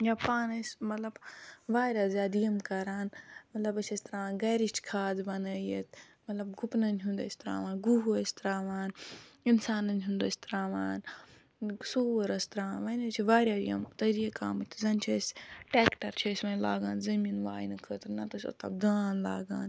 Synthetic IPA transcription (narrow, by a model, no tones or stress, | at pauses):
japaːnɐsʲmɐt̪lɐbʋaːɾʲjaːzʲaːd̪ijɐmkɐɾaːnmɐt̪lɐbɐt͡ʃʰɐsʲt̪ɾaːʋaːnɡɐɾiʃt͡ʃkʰaːd̪bɐnəːjet̪ʰ | mɐt̪lɐbɡupnɐnʲɦũnd̪ɐ̰sʲt̪ɾa̰ːʋãːnɡuɦuɐsʲt̪ɾaːʋaːninsaːnɐnʲɦund̪ɐsʲt̪ɾaːʋaːn | suːwɐɾɐst̪ɾaːanʋɐnɐt͡ʃʰiʋaːɾʲjaːijɐ̰mt̪ɐɾieka̰ːmɨt̪ʰzɐnt͡ʃʰɐsʲʈeːkʈɐɾt͡ʃʰɐsʲmɐnla̰ːɡãːnzɐminʋa̰ːjnɐkʰəːt̪ɾnɐt̪ɐsʲɐ̰t̪ɐ̰bd̪aːnla̰ːɡa̰ːn